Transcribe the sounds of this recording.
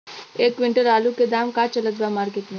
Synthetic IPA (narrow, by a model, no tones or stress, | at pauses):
eːkʋiɳʈəɾaːluked̪aːmkat͡ʃɐləd̪ʋamaːɾket̪n